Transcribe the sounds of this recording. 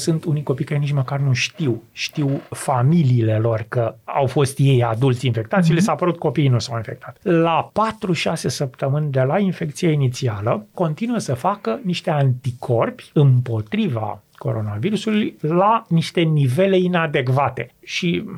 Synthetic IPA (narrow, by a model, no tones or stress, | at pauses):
sunt̪unijko̞pijkaɾe̞nit͡ʃməkarnuʃt̪iwʃt̪iwfamiliːle̞lo̞rkəa̰wfo̞st̪je̞jad̪ult̪sʲinfe̞k̚t̪at̪sijlesapəɾut̪̚ko̞pijnusawinfe̞k̚t̪ʰat̪lapat̪ɾuʃase̞səpt̪əmɨnʲd̪e̞lainfe̞kt̪sijainit̪sialəko̞nt̪inuəsəfakəniʃt̪e̞ant̪ikʰo̞rpʲɨmpo̞t̪ɾiva̰ko̞̰ɾo̞naviɾusulujlaniʃt̪e̞nive̞le̞inad̪e̞kvat̪e̞ʃi